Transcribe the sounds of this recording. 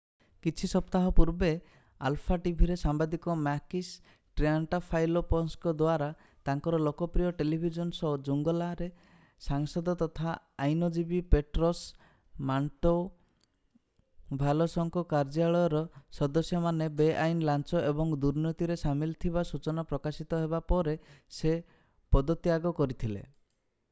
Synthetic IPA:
kit͡ʃʰisɔp̚t̪aɦɔpuɾbe | a̰lpʰaʈibʱiɾesambad̪ikɔmakis | ʈɾiaɳʈapʰajlopɔnskɔd̪waɾa | t̪aŋkɔɾɔlokɔpɾijɔʈelibʱid͡ʒɔnsɔd͡ʒuŋɡɔlaɾe | saŋsɔd̪ɔt̪ɔt̪ʰaː | jnɔd͡ʒibipeʈɾɔs | maɳʈo | bʱalɔsɔŋkɔkaɾd͡ʒiaɭɔjɔɾɔsɔd̪ɔsjɔmanebeʔajnlant͡ʃɔʔebɔŋd̪uɾnit̪iɾesamilt̪ʰibasut͡ʃɔnapɾɔkasit̪ɔɦebapɔɾese | pɔd̪ɔt̪jaɡɔkɔɾit̪ʰilḛ

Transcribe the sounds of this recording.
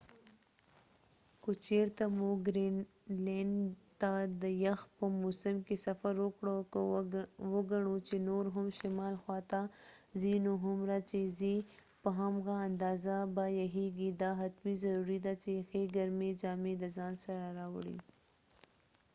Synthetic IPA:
kut͡ʃeɾt̪amũɡɾin | leɳt̪ad̪əjɐxpəmusɪmkesɐfaɾwəkɽo | wəɡaɳut͡ʃenoɾɦʊmʃɪmɑːlxwɑt̪azinoɦʊmɾat͡ʃezipəɦamɣaːnd̪ɑːzabajaɦeɡid̪aɦat̪mizɐɾuɾid̪at͡ʃexeɡaɾmed͡ʒɑːmed̪əzɑːnsaɾaɾawɽḭ

